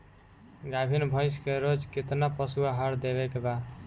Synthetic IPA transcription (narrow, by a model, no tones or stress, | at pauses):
ɡabʱinbʱʌ̃jskeɾod͡ʒkit̪napəsuaɦəɾd̪eβɛkeba